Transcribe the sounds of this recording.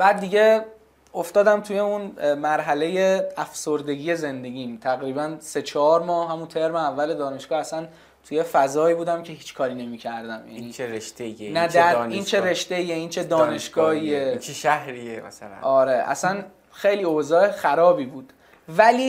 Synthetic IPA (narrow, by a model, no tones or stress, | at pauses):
b̥æːd̪ːiɟe̞ | oft̪ɒːd̪æmt̪ʰuje̞unmæɾɦæle̞jeæfso̞ɾd̪e̞ɡiːje̞ze̞nd̪e̞ɡiːmt̪ʰæɣɾiːbænse̞t͡ʃʰɒːɾmɒːhɦæmunt̪ʰe̞ɾmeævːæled̪ɒːne̞ʃɡ̥ɒːæsæn | t̪ʰuje̞fæzɒːibuːd̪æmcʰe̞hiːt͡ʃkʰɒːɾiːne̞miːcʰæɾd̪æmjæ̰niːeɾeʃt̪eenæd̪æɾniːnt͡ʃʰeɾe̞ʃt̪eijeiːnt͡ʃʰed̪ɒːneʃɡ̥ɒːhiːet͡ʃʃæhɾiemæ̰salæ̰ɒːɾeʔæ̰sæn | xejliːozɒːexæɾɒːbiːbuːd̪̥ | væliː